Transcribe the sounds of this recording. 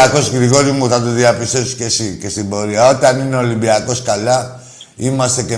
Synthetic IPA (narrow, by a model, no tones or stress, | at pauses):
akosɡɾiɣoɾimut̪at̪ud̪iapisoskesikesiboɾiaot̪aninolibiakoskala | imaseke